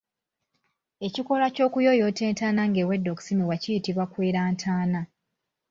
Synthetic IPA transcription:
e̞ciko̞laco̞ːkujo̞jo̞te̞ːntaːnaŋɡeːwe̞dːo̞ːku̥simiwacijitiβwakweːɾaːntʰaːna

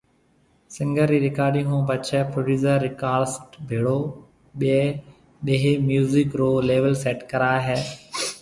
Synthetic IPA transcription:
sɪ̃ŋɡəɾːiːɾɪkaːɾɖɪ̃ŋõːbət͡ʃʰɛːpɾoːɖuːzəɾːɪkaːɾsʈbʱeːɽoː | ɓeː | ɗeːɦeːmjuːzɪkɾoːleːʋəlseːʈkəɾaːɦɛː

